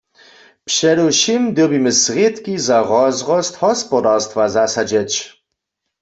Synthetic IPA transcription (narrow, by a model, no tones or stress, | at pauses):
pʂɛduʃimd̪ebiməsʁjet̪kizaʁɔzʁɔst̪hɔspɔdaʁst̪vazasad͡ʑɛt͡ɕ